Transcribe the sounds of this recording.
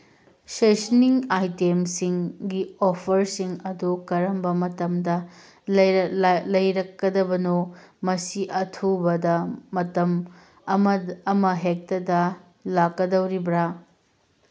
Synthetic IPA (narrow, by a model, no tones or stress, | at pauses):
sesniŋajtemsiŋɡiopʰɐɾsiŋɐdukɐɾɐmbɐmɐtɐmdɐ | lɐjɾɐkːɐdɐbɐnomɐsiʔɐtʰubɐdɐmɐtɐm | ɐɐmɐɦek̚tɐdɐ | lakːɐdɐwɾibɾa